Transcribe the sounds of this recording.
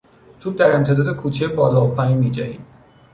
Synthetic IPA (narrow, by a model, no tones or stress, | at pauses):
t̪ʰuːd̪æɾe̞mt̪ʰe̞d̪ɒːd̪ekʰuːt͡ʃʰebɒːlɒːopʰæjmiːd͡ʒæhḭːm